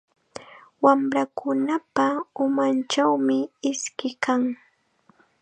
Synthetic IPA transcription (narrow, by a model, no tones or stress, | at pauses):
wamɾakʊnapaʊmant͡ʃawmɪɪskɪkaŋ